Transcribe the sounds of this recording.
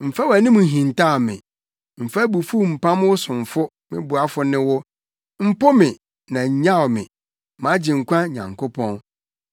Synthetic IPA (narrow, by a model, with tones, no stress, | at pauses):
m̩˨fa˦wæ˨nĩ˦mũ˨ɦĩ˨nta˦˨mɪ̰̃˨ | m̩˨fa˦bu˨fu˦m̩˨pã˦m˦wʊ˦sʊ̃˨n˨fʊ˦ | mɪ̰̃˦bʊ˨a˦fʊ˦nɪ̃˦wʊ˦ | m̩˦pʊ˦mɪ̃˨ | nã˨ɲ̩˨ɲã˦˨wmɪ̰̃˨ | mã˨˦d͡ʑɪ˨ŋ̩˨kʷʰã˦ɲã̰˨ŋkʰo˦pʰɔ̃˦n